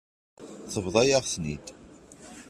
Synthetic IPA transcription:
θəvðˤɑjaʁsnḭd̪

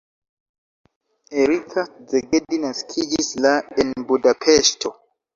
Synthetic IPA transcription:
eɾikʰazɛɡedinaskʰiɡislaɛnbudapʰɛstʰɔ

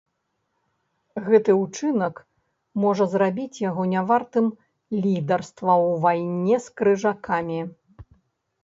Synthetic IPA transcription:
ɣɛt̪ɨut͡ʂɨnɐk | mɔʐɐzrabʲit͡sʲjaɣɔnʲavart̪ɨm | lʲid̪ɐrst̪vɐwvajnʲɛskɾɨʐakamʲi

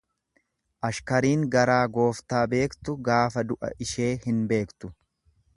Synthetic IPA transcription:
ʔɐʃkɐɾiːŋɡɐɾaːɡo̞ːft̪aːbe̞ːkt̪ʊɡaːfɐd̪ʊʔɐ̰ʔɪʃe̞ːhɪnbe̞ːkt̪ʊ̥

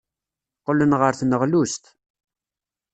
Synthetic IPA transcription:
qːələnʁəɾθnəʁlust̪

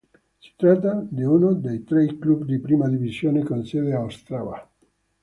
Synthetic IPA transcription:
si̥t̪ɾat̪ːad̪iunod̪ejt̪ɾejklubd̪ipɾimad̪ivizjoːnekonsed̪eawst̪ɾava̰

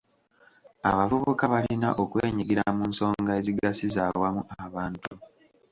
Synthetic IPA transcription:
a̰βavoβokaβalinaʔokwḛːɲiɡiɾamuːnso̞ːŋɡae̞ziɡasizawamuaβaːntu

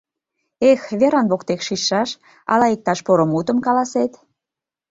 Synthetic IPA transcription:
exβeɾɑnβokt̪ekʃiʃːɑʃ | ɑ̰lɑik̚t̪ɑʃpoɾomut̪ə̆mkɑlɑset̪

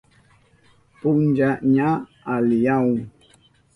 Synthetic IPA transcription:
pʊnd͡ʒaɲa | alɪjaw

